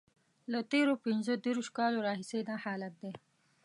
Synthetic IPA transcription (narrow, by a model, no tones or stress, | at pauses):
lət̪eɾopinzod̪iɾuʃkɑːloɾɑːɦisenahɑːlat̪̚d̪e